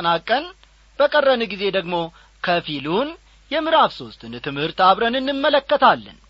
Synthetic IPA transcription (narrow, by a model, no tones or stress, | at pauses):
ənakʼːən | b̥əkʼərːənɨɡize̞d̪əɡmo̞ | kʰəfilun | jɛmɨɾafso̞st̪ɨnt̪ʰɨmhɨɾt̪aβɾənɨnːɨmːələkːət̪ʰalːə̰n